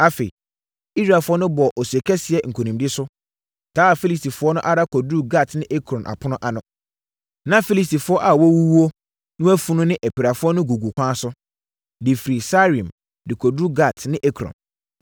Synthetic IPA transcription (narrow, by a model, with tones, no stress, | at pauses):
a˨fe˨ḭ˨ | i˦sɾa˨fʊ˦ɔ˦nʊ̃˦bɔ˨ʔɔ˨su˨ɛ˨kʰɛ˦sɪ˨ɛ˦˨ŋ̩˨kʰo˨nĩ˨mdɪ˦sʊ˦ | tʰaː˨˦a˨fi˦li˦sti˨fʊ˦ɔ˦nʊ̃˦ʔa˦ɾa˦kʰɔ˨du˦ɡa˦˨tnɪ̃˦ʔɛ˦kʰɾɔ̃˨nʔa̰˨pʰʊ˦nʊ̃˦ʔa˨nʊ̃˦ | nã˦fi˦li˨sti˨fʊ˦ɔ˦ʔa˨wɔ˦wu˦wu˦o˦ | nʊ̃˦æ˦fu˦nʊ̃˦nɪ̃˦ʔæ˨pi˨ɾa˨fʊ˦ɔ˦nʊ̃˦ɡu˨ɡu˨kʷʰã˦sʊ˦ | dɪ˨fi˨ɾi˨sa˦ɾĩ˨m | dɪ˨kʰɔ˨dɾu˦ɡa˦˨tʰnɪ̃˦ʔɛ˦kʰɾɔ̰̃˨n